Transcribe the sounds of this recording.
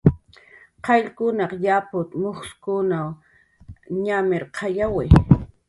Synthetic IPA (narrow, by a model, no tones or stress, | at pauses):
qɑʎkʊnɑqjapʊt̪moχskʊnaw | ɲamɪɾqʰɑjawɪ